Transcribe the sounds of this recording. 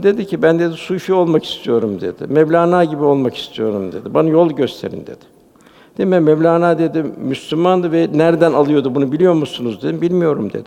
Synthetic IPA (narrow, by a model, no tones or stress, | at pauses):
d̪e̞d̪icʰibænd̪e̞d̪isuyʃyo̞lˠmaki̥st̪ʰijo̞ɾumd̪e̞̰d̪̥ɪ̰mɛvlʲaːnaːɟibio̞lˠmaki̥st̪ʰijo̞ɾumd̪e̞̰d̪ibanajo̞lˠɟø̞st̪ʰe̞ɾḭnd̪ḛd̪̥ɪ̥ | d̪̥emɛmɛmlʲaːnaːd̪e̞d̪imyslʲymand̪ɯvɛnæɾd̪ænalˠɯjo̞d̪ubunubilʲijo̞musunuzd̪ed̪imbilʲmijo̞ɾumd̪ḛd̪̥ɪ